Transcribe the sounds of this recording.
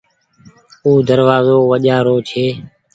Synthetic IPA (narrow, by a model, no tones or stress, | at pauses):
uːd̪əɾʋaːzoːʋəʄaːɾoːt͡ʃʰeː